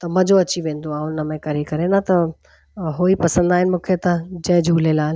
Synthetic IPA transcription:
t̪ɐmɐ̃d͡ʑoɐt͡ɕiʋẽːnd̪oãːʊnəmẽkɐɾikɐɾenãt̪ɐ | ɦoːipɐsə̃nd̪aːɦɪnɪ̆mũːkʰet̪ɐd͡ʑɐ̃ɪ̃d͡ʑʱuːlelaːl

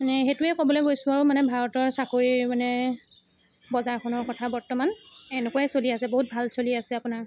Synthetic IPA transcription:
nɛxetʊɛkobɔlejɡojsʊ̃aɹumanɛbʱaɹɔtɔɹsakoɹimanɛ | bɔzaɹkʰɔnɔɹkɔtʰabɔɹtɔmanɛnɛkuaɛsoliasɛboɦut̚bʱalsoliasɛapunaɹ

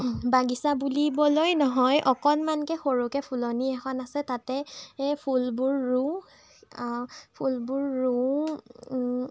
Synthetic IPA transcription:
baɡisabulibɔlojnɔɦɔjʔɔkɔnmankɛxoɹukɛpʰulɔniɛxʰɔnasɛtatɛpʰulbuɹːu | pʰulbuɹːu

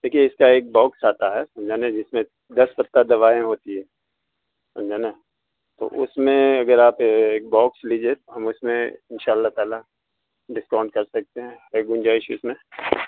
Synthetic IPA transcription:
d̪̥eːkʰieɪskaeːk̚bɔːksaːt̪aɦɛsɐ̃md͡ʒaːnãd͡ʒɪsmẽ | d̪ɐspɐt̪ːad̪ɐʋaːẽɦoːt̪iɦɛ̃ː | sɐ̰̃md͡ʒaːna | t̪o̰ʔʊ̰smẽɐɡəɾaːpeːk̚bɔːksliːd͡ʒet̪oɦɐmʊsmẽɪnʃaːəlːaɦt̪aːla | ɖɪskãːʊ̃ɳɖ̚kɐɾsɐk̚t̪eɦɛ̃eːɡʊ̃nd͡ʒaːɪʃʊ̰smẽ

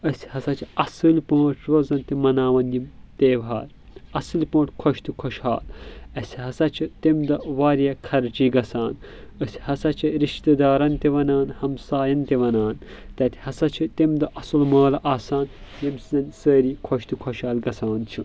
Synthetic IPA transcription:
ɐsʲhɐsɐt͡ʃʰiɐsɨlʲpɐ̃ːʈʰɾozɐnt̪imɐnaːʋɐnʲimt̪eːʋaːl | ɐsɨlʲpõːʈʰʲkʰoʃt̪ikʰoʃha̰ːlɐsʲɦɐsɐt͡ʃʰit̪imd̪ɐʋaːɾijɐkʰɐɾt͡ʃiɡɐsaːn | ɐsʲhɐsɐt͡ʃʰiɾiʃt̪ɐd̪aːɾɐnt̪iʋɐnaːnhɐmsaːjɐnt̪eʋɐnaːnt̪ɐt̪ʰʲi̥hɐsɐt͡ʃʰit̪imd̪ɐʔɐsɨlmaːlʔaːsaːnjɐmsizɐnsəːɾikʰoʃt̪ikʰoʃaːlɡɐsaːnt͡ʃʰi

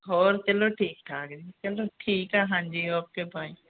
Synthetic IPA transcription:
ɦoːɾt͡ʃəloːʈʰiːkʈʰaːkd͡ʒiːt͡ʃəloːʈʰiːkaːɦãnd͡ʒiːɔp̚kebaːĩ

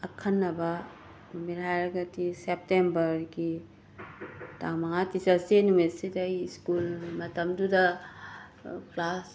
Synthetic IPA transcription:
ɐkʰɐnːɐbɐ | numiɾhajɾɐɡɐtisep̚tembɐɾɡi | taŋmɐŋatisasenumesidajskulmɐtɐmdudɐ | pʰlas

